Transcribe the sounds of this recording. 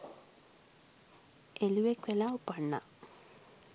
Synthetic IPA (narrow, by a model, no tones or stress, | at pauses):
eluekwelaopanːa̰